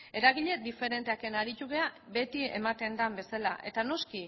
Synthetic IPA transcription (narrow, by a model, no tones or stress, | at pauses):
e̞ɾaɣiʎe̞d̪ife̞ɾe̞nt̪eake̞naɾit̪uɣe̞abe̞t̪ie̞̰mat̪e̞nd̪ambe̞salaʔe̞t̪ano̞ski